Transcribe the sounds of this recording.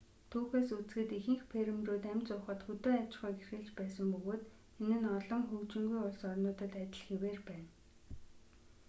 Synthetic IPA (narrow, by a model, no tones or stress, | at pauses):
t̪ʰuːxeːsut͡sɡɘ̆t̪ixɘ̆ŋxpʰeɾɘ̆mruːt̪æmt͡sʊːχə̆t̪xɵt̪oːawt͡ɕχɔːɡerxɘ̆ɮt͡ɕpæːsə̆mpɵɣoːt̪ | enɘ̆nɔɮɞ̆ŋxɵkt͡ɕɪ̆ŋɡujʊɮsɔrnʊːt̪ə̆t̪ætt͡ɕ̪ʲɪ̆ɮxeweːrpæːn